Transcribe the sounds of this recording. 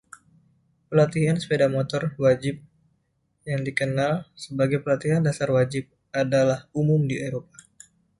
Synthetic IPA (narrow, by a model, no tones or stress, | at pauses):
pəlat̪iɦansə̥pedamot̪ɔrwad͡ʒɪp̚ | jaŋdikənalsəbaɡajpəlat̪iɦandasarwad͡ʒɪp̚ | adalahumʊmdieɾopa